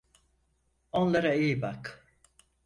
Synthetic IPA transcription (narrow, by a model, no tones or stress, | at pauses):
onlˠaɾaijibak